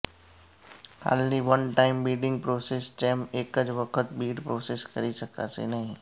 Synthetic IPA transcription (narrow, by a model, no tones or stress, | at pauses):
ha̰ːlniʋənʈaːɪmbiːɖɪ̃ŋɡ̚pɾoːsest͡ʃɛmeːkəd͡ʒʋəkʰət̪biːɖpɾoːseskɐɾisəka̰sḛnɐɦĩ